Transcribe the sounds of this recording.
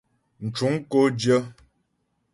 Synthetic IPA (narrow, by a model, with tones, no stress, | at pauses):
n̩˨t͡ʃu˨˦ŋ˦ko˦d͡ʒjə˦